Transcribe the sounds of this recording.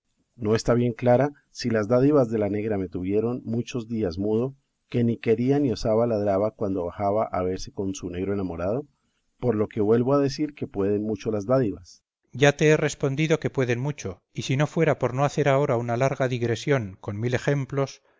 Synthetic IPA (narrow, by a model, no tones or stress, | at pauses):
no̞e̞st̪aβje̞ŋklaɾa | silazd̪aðiβazd̪e̞lane̞ɣɾame̞t̪uβje̞ɾo̞nmut͡ʃo̞zd̪iazmuðo̞ | ke̞nike̞ɾianio̞saβalaðɾaβakwand̪o̞βaxaβaʔaβe̞ɾse̞ko̞nsune̞ɣɾoenamo̞ɾað̞o̞ | po̞ɾlo̞ke̞βwe̞lβo̞aðe̞siɾke̞pwe̞ðe̞nmut͡ʃo̞lazd̪aðiβas | ɟ͡ʝat̪e̞ere̞spo̞nd̪iðo̞ke̞pwe̞ðe̞nmut͡ʃo̞ | isino̞fwe̞ɾapo̞ɾno̞aθe̞ɾao̞ɾaunalaɾɣaðiɣɾe̞sjo̞ŋko̞nmile̞xe̞mplo̞s